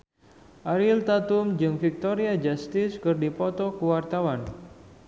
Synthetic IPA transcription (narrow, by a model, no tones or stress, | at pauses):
ʔaɾilt̪at̪umd͡ʒɨŋfik̚t̪oɾiad͡ʒast̪ɪskɨrdipɔt̪ɔkuwart̪awan